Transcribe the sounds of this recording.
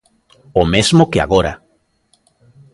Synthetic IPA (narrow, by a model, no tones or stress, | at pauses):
omezmokea̰ɣoɾa̰